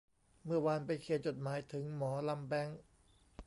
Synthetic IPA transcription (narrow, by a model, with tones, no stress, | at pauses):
mɯ˥˩ɐwa˧npa˧jkʰeː˨˩t̪̚t͡ɕo˨˩t̪̚maː˩˦jt̪ʰɯ˩˦ŋmɔː˩˦la˧mbɛ˧˥˩ŋ